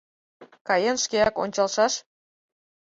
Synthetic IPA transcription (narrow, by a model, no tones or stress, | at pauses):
kɑjenʃkeɑko̰nʲt͡ɕɑlʃɑʃ